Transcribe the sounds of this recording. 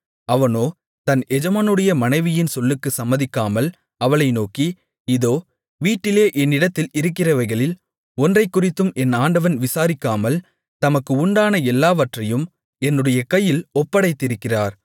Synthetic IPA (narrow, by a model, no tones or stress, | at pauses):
ɐʋɐnoː | t̪ɐnɛd͡ʒɐmaːnɯɽɐjɐmɐnɐɪʋɪjɪnsɔlːɯkːɯsɐmːɐðɪkːaːmɐl | ɐʋɐɭɐɪnoːki | ɪðoː | ʋiːʈːɪleːʔɛnːɪɽɐt̪ːɪlɪɾɯkːɪrɐʋɐɪɣɐɭɪl | ɔndrɐɪkːʊrɪt̪ːɯmʔɛnaːɳɖɐʋɐnʋɪsaːɾɪkːaːmɐl | t̪ɐmɐkːɯʊɳɖaːnɐɛlːaːʋɐʈrɐjɯm | ɛnːɯɽɐjɐkɐjːɪlɔpːɐɽɐɪt̪ːɪɾɯkːɪraːɾ